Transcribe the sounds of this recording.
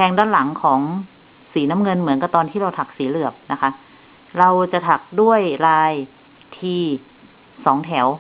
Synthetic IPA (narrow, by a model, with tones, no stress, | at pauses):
pʰɛː˧ŋdaː˥˩˨nla˩˦ŋkʰɔː˩˦ŋ | siː˩˦na˧˥mŋɤ˧nmɯ˩˦ənka˧˩t̪ɔː˧nt̪ʰiː˥˩ɾa˧wt̪ʰa˨˩k̚siː˩˦lɯ˨˩əp̚na˦˥kʰa˦˥ | ɾa˧wt͡ɕa˨˩t̪ʰa˨˩k̚du˥˩əjɾaː˧j | t̪ʰiː˧ | sɔː˩˦ŋt̪ʰɛ˩˦w